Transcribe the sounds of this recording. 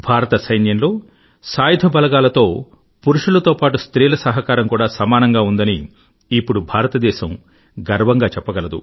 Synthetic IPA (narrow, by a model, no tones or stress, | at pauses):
bʱaːɾɐt̪ɐsɐjnjɐnlo̞ː | saːjɐd̪ʱɐbɐlɐɡaːlɐt̪o̞ː | puɾuʂulɐt̪o̞ːpaːʈ̬ust̪ɾiːlɐsɐɦɐkaːɾɐmkuːɽaːsɐmaːnɐŋɡaːund̪ɐni | ipːuɽubʱaːɾɐt̪ɐd̪ɛːʃɐm | ɡɐɾʋɐŋɡaːt͡ʃɛpːɐɡɐlɐd̪ṵ